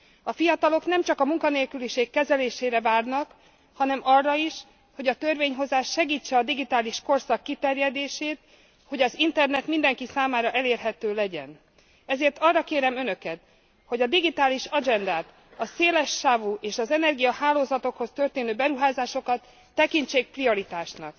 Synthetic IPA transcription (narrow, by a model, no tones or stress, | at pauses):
ɒfijɒt̪ɒlo̞knɛmt͡ʃɒkɒmuŋkɒneːlkyliʃeːkːɛzɛleːʃeːɾɛvaːrnɒk | hɒnɛmɒrːɒiʃ | ho̞ɟɒt̪ørveːɲɦo̞zaːʃːɛɡiːt͡ʃːɛɒd̪iɡit̪aːliʃko̞rsɒkːit̪ɛrjɛd̪eːʃeːt̪ | ho̞ɟɒzint̪ɛrnɛt̪mind̪ɛŋkisaːmaːɾɒʔɛleːrɦɛt̪øːlɛɟɛ̰n | ɛzeːrt̪ɒrːɒkeːɾɛmønø̞kɛt̪ | ho̞ɟɒd̪iɡit̪aːliʃɒd͡ʒɛnd̪aːt̪ | ɒseːlɛʃːaːvuʔeːʃɒzɛnɛrɡijɒhaːloːzɒt̪o̞kho̞st̪ø̞rt̪eːnøːbɛɾuɦaːzaːʃo̞kɒt̪ː | ɛkint͡ʃeːk̚prio̞ɾit̪aːʃnɒ̰k̚